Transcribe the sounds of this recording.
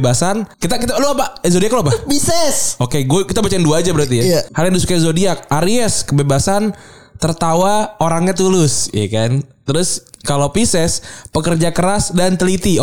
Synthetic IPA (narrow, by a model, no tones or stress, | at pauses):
basankit̪akit̪aluapazodiakloapapisɛsokeɡuakit̪abat͡ʃanduaːd͡ʒabəɾart̪iahaljaŋdisukaizodiak̚aɾiɛskəbebasan | t̪ərt̪awaoɾaŋɲat̪ulʊsja̰kant̪əɾʊskalopisɛspəkərd͡ʒakəɾasdant̪əlit̪i